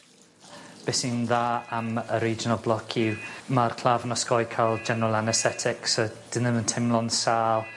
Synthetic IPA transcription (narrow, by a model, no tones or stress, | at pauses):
b̥ɛsinðaːaməɾiːd͡ʒənalˠblˠɔkʰimarkʰlˠaːvənɔskɔjkʰajlˠd͡ʒɛnɔlˠanɛstɛtʰɪksɔd̥ɪnənəntʰɛmlˠɔnsaːlˠ